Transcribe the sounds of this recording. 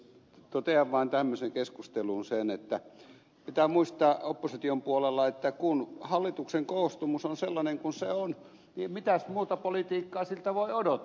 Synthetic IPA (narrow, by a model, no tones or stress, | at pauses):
t̪ot̪eɑʋːɑːnt̪æmːøseŋkeskust̪elunsenet̪ːæ | pit̪æmuist̪ɑopːosit̪iompuolelːɑet̪ːækunhɑlːit̪ukseŋkoːst̪umusonselːɑneŋkunseon | nimmit̪æsmuːt̪ɑpolit̪iːkːɑːsilt̪æʋoiodot̪